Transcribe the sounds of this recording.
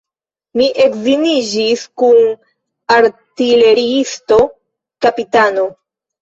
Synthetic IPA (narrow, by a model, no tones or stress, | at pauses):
miʔe̞kzinid͡ʒiskun | aɾtile̞ɾiisto̞ | kapitano̞